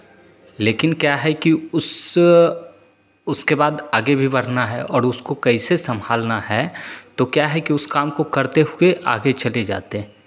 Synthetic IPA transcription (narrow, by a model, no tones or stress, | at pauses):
leːkɪnkjaːɦɛkiʊs | ʊskebaːd̪aːɡebʱibɐɽ̤naɦɛ̰ʔɔːɾʊskokɐisesɐ̃mbʱaːlnaɦɛt̪okjaːɦɛkiʊskaːmkokɐɾt̪eɦʊeʔa̰ːɡet͡ʃɐled͡ʒa̰ːt̪eɛ̃